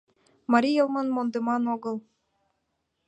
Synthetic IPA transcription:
mɑɾʲijɤlˠmɤnmond̪emɑnoɣɤ̆lˠ

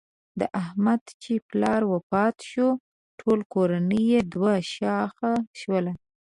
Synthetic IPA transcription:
d̪əʔahmad̪t͡ʃeplɑɾwəpɑt̪ʃo | ʈʰolkoɾanəjed̪waʃɑxaʃwəla

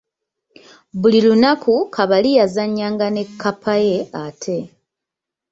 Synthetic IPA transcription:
βulilunakukʰaβalijazaɲːaːŋɡane̞kʰːapʰaje̞atʰe̞

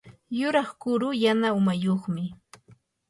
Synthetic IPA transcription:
jʊɾɑχkʊɾʊjanaʊmajoχmɪ

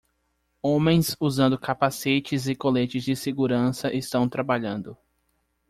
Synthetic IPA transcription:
õmẽj̃suzɐ̃nd̪ʊkapasit͡ʃɪzɪkolet͡ʃɪzd͡ʒɪseɡuɾɐ̃sɐʔɪst̪ɐ̃w̃t̪ɾabaʎɐ̃nd̪ʊ

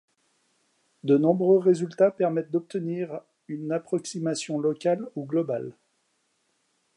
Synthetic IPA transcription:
d̪ənɔ̃bʁøʁezylt̪apɛʁmɛt̪̚d̪ɔp̚t̪əniʁ | ynapχɔksimasjɔ̃lɔkʲaluɡlɔbal

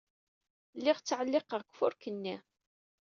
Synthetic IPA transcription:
lːɪʁt͡sːʕəlːɪqəʁkʷːfʊɾkənːi

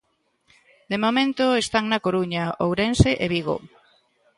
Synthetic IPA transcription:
d̪emomẽnt̪oest̪aŋnɐkoɾuɲaowɾenseʔeβiɣo̰

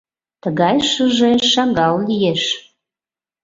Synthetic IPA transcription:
t̪əɣɑjʃəʒeʃɑɡɑllijeʃ

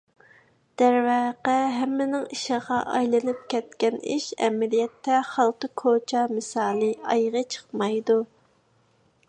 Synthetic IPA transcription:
d̪̥æɾvæːqæɦɛmːɪnɪŋiʃəʁɑʔɑjlˠɨnɨp̚kʲʰɛt̪kʲɛniʃɛ̰mɛlijɛt̪ʰːɛχɑlˠqəkʰot͡ʃʰɑmɨsɑːlˠɨɑjʁət͡ʃʰə̥χmɑjd̪u

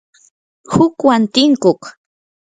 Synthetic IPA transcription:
hʊkwant̪ɪŋkoχ

